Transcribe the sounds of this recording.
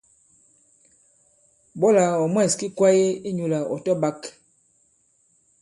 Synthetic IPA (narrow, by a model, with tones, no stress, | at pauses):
bɔ˦la˨ɔ˨mwɛ˦˨ski˦kwa˦je˦i˦ɲu˨la˨ɔ̰˨tɔ˦ba˦k